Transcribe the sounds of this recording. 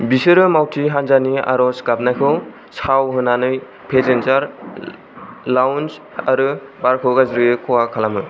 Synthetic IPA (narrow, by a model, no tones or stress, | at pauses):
bisɯɾɯmawtʰiɦanzania̰ɾɔsɡap̚najkʰɯw | sawɦɯnanɯj | pʰezenzaɾ | lawns | aɾɯbaɾkʰɯwɡazɾɯjɯkʰɔwakʰalamɯ